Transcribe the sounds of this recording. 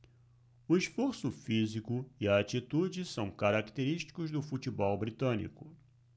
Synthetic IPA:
ʊɪsfoɾsʊfizikʊɪɐːt͡ʃit̪ud͡ʒɪsɐ̃w̃kaɾakt̪eɾiʃt͡ʃi̥kʊzd̪ʊfut͡ʃibɔwbɾit̪ɐ̃nḭkʊ̥

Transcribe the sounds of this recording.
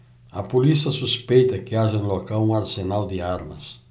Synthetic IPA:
ɐpulisɐsuspejt̪ɐkɪaʒɐ̃nlokawũŋaɾsenald̪ɪaɾmɐ̰s

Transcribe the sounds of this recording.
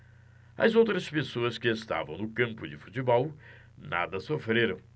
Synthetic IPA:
ɐ̰zowt̪ɾɐspesoɐskɪest̪a̰vɐ̃w̃nʊkɐ̃mpʊd͡ʒɪfu̥t͡ʃibɔw | na̰d̪ɐsofɾeɾɐ̃w̃

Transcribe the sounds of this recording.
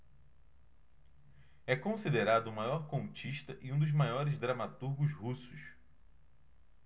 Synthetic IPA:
ɛkõsid̪eɾad̪ʊumajɔɾkõt͡ʃiʃt̪ɐʔiũd̪ʊzmajɔɾɪzd̪ɾamat̪uɾɡʊzhusʊʃ

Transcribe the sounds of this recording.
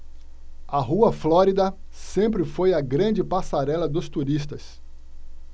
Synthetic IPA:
ɐɦuɐflɔɾid̪ɐsẽmpɾɪfojɐɡɾɐ̃d͡ʒɪpasaɾɛlɐd̪ʊst̪uɾist̪ɐs

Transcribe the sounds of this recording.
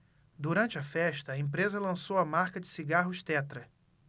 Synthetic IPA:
d̪uɾɐ̃nt͡ʃɪɐfɛʃt̪ɐːẽpɾezɐlɐ̃sowɐmaɾkɐd͡ʒɪ̥siɡaɦʊʃt̪ɛt̪ɾɐ

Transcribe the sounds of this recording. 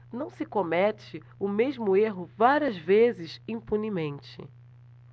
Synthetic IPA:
nɐ̃w̃sɪkomɛt͡ʃɪ | ʊmeʒmʊeɦʊvaɾiɐzvezɪʃĩpunimẽnt͡ʃɪ̰

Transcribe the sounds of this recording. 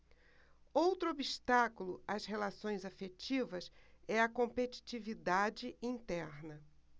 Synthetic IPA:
owt̪ɾʊobiʃt̪akulʊɐshelasõj̃zafet͡ʃivɐsɛɐkõmpet͡ʃi̥t͡ʃivid̪ad͡ʒɪĩnt̪ɛɾnɐ

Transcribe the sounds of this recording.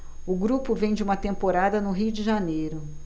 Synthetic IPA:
ʊɡɾupʊvẽj̃d͡ʒɪũmɐt̪ẽmpoɾad̪ɐnʊɦijʊd͡ʒɪʒanejɾʊ

